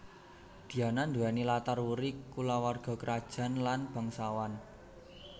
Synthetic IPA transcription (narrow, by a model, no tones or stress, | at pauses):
d̪̥i̤anand̪uanilat̪arwuɾikulawarɡ̥ɔ̤kəɾad̥ʒ̥a̤nlanb̥a̤ŋsawan